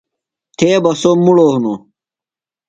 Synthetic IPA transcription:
t̪ʰeːbɐsomuɽoːɦuno̰

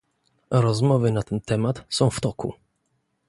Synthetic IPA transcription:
ɾɔzmɔvɘnat̪ɛnt̪ɛmat̪sɔ̃w̃ft̪ɔkṵ

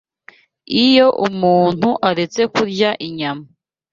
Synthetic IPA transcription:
ijo̞ʔumuːn̥huʔaɾe̞t͡se̞kuɾɟaʔiɲama

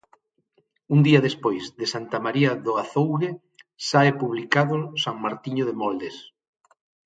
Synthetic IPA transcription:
und̪iɐðespojzðesant̪amaɾiaðoaθowɣe | saepuβlikaðʊsaŋmaɾt̪iɲoðemɔld̪es

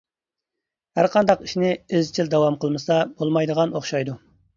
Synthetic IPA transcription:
hæɾqʰɑnd̪ɑqi̥ʃinɪezt͡ʃʰild̪ɑwɑmqəlˠmɨsɑb̥olˠmɑjd̪əʁɑnoχʃɑjd̪u

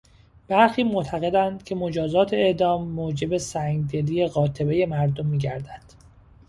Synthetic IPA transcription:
b̥æɾxiːmoʔt̪ʰæɣe̞d̪ænd̪̥cʰe̞mo̞d͡ʒɒːzɒːt̪ʰeeʔd̪ɒːmːoːd͡ʒe̞besæŋɡd̪eliːje̞ɣɒːt̪ʰe̞be̞je̞mæɾd̪omːiːɟæɾd̪æd̪̥

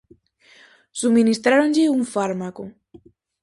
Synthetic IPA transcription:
sumĩnist̪ɾaɾõnʎɪuɱfaɾmako

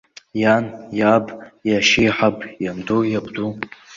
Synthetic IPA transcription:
janjabʼjaʃijħabʰʼjamdojabdu

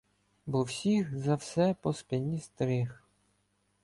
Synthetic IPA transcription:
bɔwsʲixzafsɛpɔspʲɛnʲist̪ɾʲix

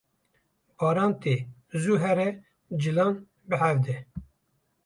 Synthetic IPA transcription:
bɑːɾɑːnt̪ezuɦɛɾɛ | d͡ʒilɑːn | bɨhævd̪ɛ

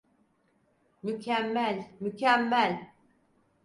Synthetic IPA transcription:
mycʰæmːælʲmycʰæmːælʲ

